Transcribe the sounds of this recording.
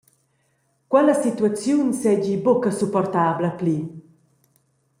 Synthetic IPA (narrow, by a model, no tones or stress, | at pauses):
kwɛləsit̪uat͡sjunsɛɟibɔkəsupɔrt̪abləpli